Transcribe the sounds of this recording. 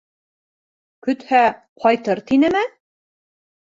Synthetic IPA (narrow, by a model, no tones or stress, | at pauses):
kɵ̆t̪hæ | qʰɒjt̪ɤɾt̪inɘ̆mɘ